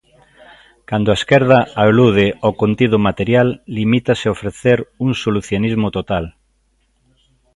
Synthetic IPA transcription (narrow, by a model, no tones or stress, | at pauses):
kand̪oaeskeɾðaaluð̞eokont̪iðomat̪eɾjalːimit̪aseofɾeθeɾuŋsoluθjonizmot̪ot̪al